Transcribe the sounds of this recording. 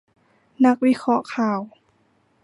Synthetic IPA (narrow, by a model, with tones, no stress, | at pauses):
na˧˥k̚wi˧˥kʰɔ˧˥ʔkʰaː˨˩w